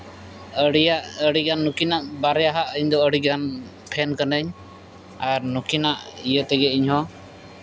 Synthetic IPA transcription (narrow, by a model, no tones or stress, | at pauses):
əɽijaʔəɽiɡanːukinaʔbaɾɛjaɦaʔəɲd̪ɔəɽiɡan | pʰɛnkanəɲ | aɾnukinaʔijət̪ɛɡɛiɲɦɔ